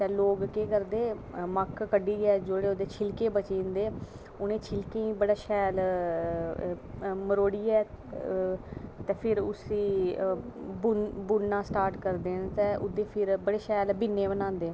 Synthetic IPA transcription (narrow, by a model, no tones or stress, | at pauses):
t̪ɛ̃ːloːɡkeːkəɾd̪eːməkkəɖiːɛːd͡ʒoːɽeːʊd̪eːt͡ʃʰɪlkeːbət͡ʃiːnd̪eː | ʊnẽːt͡ʃʰɪlkeːĩːbəɽaːʃɛːl | məɾoːɽiːɛː | t̪ɛːpʰɪɾʊsiː | bnbʊnnãːsʈaːɾʈkəɾd̪eːnt̪ɛ̃ːʔʊd̪eːpʰɪɾbəɽeːʃɛːlbɪnːeːbənãːnd̪eː